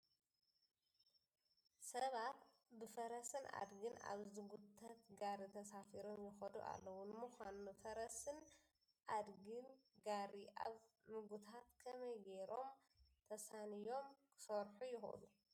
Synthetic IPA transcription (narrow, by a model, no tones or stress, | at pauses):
sɐβat̪ | bɨfɐɾɐsɨna̰d̪ɡɨna̰βzɨɡut̪ʰɐt̪ɡaɾit̪ʰɐsafiɾo̞mjɪxɐd̪ṵʔa̰lːɐwunɨmuxʷanufɐɾɐsɨn | ʔad̪ɡɨnɡaɾiʔa̰β | zɨɡut̪ʰat̪kʰɐmɐjɡeɾo̞m | t̪ʰɐsanijo̞mkʰɨ̥sɐɾħujɪxɐ̰lu